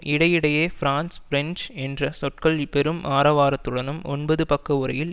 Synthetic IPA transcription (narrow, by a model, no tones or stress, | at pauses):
ʔɪɽɐjɪɽɐjeːfɪɾaːnsfɾɛnd͡ʒɛndrɐsɔʈ̚kɐɭpɛɾɯmʔaːɾɐʋaːɾɐt̪ːɯɽɐnɯmɔnbɐðɯpɐkːɐʊɾɐ̰jɪl